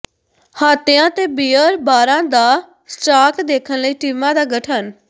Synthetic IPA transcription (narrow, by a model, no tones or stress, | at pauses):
haːt̪ɪjãːt̪eːbiːəɾbaːɾãːd̪aː | sʈaːkd̪eːkʰənləiːʈiːmãːd̪aːɡəʈʰən